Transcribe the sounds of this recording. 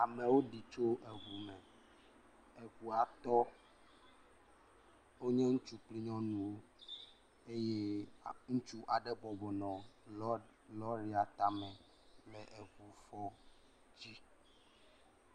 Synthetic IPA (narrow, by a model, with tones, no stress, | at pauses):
a˨mɛ̃˨wo˦ɖi˨t͡ʃo˦ʔɛ˨ɣu˨mɛ̃˨ | e˨ɣu˨a˨t̪ɔ˦ | wo˦ɲɛ̃˦ŋũ˦t͡ʃu˦k͡pli˦ɲɔ̃˦nũ˨wo˦ | e˦je˦ŋũ˦t͡ʃu˦ʔa˨ɖɛ˦bɔ˨bɔ˨nɔ̃˨˦ | lɔ˦ɾi˦a˨t̪a˦mɛ̃˨ | plɛ˨ʔe˨ɣu˨fɔ˦ | d͡ʑi˦